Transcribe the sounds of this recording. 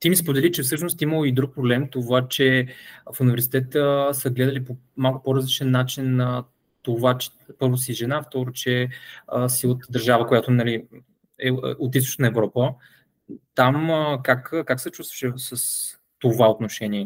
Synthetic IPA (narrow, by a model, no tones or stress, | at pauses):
t̪imispod̪ɛlit͡ʃɛfsɤʃnost̪iməlˠoid̪ɾuk̚pɾoblɛmt̪ovat͡ʃɛfunivɛɾsi̥t̪ɛt̪əsəɡlɛd̪əlipo | malˠkʊpɔɾəzlit͡ʃɛnːat͡ʃinə | t̪ovat͡ʃɛ̥ | pɤɾvosiʒɛnaft̪ɔɾot͡ʃɛəsiot̪d̪ɐɾʒavəkojat̪onɐli | ɛot̪̬ist̪ʊ̥t͡ʃnəɛvɾɔpə | t̪aməkakkaksɛt͡ʃust̪və̥ʃɛsəs | t̪ovaot̪noʃɛniɛ